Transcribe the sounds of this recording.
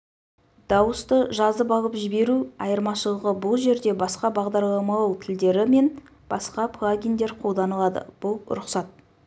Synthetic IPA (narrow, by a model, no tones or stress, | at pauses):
d̪̥ɑwəst̪əʒɑzəbɑʁəpʒɪbe̞ɾuɑjəɾmɑʃəlˠəʁəbʊlˠʒe̞ɾd̪e̞bɑsqɑbɑʁd̪ɑɾlˠɑmɑlˠɑwt̪ʰɪld̪e̞ɾɪme̞n | b̥ɑsqɑpʰlˠaɡʲijnd̪e̞ɾqʰo̞lˠd̪ɑnəlˠɑd̪ə̰b̥ʊlˠɾʊqsɑt̪̚